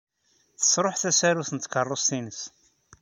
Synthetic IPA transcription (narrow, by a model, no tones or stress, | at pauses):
θə̥sɾˤoħθæsæɾuθənt̪kərˤːost̪inəs